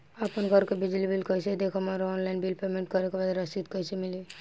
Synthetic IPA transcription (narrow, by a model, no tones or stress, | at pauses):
apənɡʱəɾkebid͡ʒlibilkəjsed̪ekʰəmaɾɔːnlaɪnbilpemẽɳʈ̚kəɾekebad̪ɾasit̪kəɪsemɪli